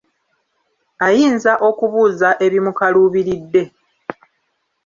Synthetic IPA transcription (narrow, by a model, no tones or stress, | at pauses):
ajiːnzaʔo̞kuβuːzaʔe̞βimukaluːβiɾidːe̞